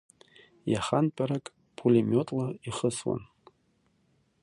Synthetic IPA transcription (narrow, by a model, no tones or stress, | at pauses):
jaχanpʼaɾakʼ | pʰulimʲotʼlaiχəswa̰n